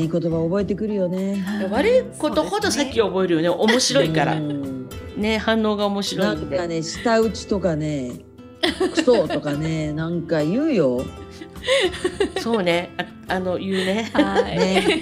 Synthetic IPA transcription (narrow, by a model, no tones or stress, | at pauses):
iːkot̪o̞βaobo̞e̞t̪e̞kɯ̟ɾɯ̟jo̞ne̞βaɾɯ̟iko̞t̪o̞ho̞d̪o̞sakʲːio̞bo̞e̞ɾɯ̟joneʔomo̞ɕiɾo̞ikaɾa̰ | ne̞hãnːo̞ːɡaomo̞ɕiɾoiãnk̪d̪eaneɕi̥t̪aɯ̟t͡ɕi̥t̪o̞kane̞ | ɯ̟̥sot̪o̞kanenãŋkajɯ̟ːjo̞ | so̞ːne̞a | ano̞jɯ̟ːne̞